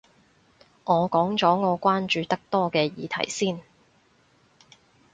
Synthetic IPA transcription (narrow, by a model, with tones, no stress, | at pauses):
ŋɔː˨˧kɔː˨˥ŋt͡sɔː˨˥ŋɔː˨˧kʷaː˥nt͡ʃyː˨˧t̪ɐ˥k̚t̪ɔː˥kɛː˧jḭː˨˧t̪ʰɐ̰˨˩jsiː˥n